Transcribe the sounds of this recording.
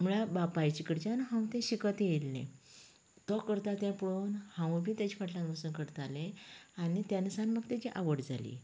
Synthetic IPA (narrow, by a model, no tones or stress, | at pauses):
muɭabapajt͡ɕikəɽt͡ɕanɦãw̃t̪ɛ̃ɕikət̪elnḛ̃ | t̪ɔkəɾt̪at̪ɛ̃pɽonhãwbʱiːt̪jat͡ɕipʰaʈlãnɡəsuːnkəɾt̪alẽanit̪janəsanməɡt̪at͡ɕiʔaʋəɽd͡zʱalḭː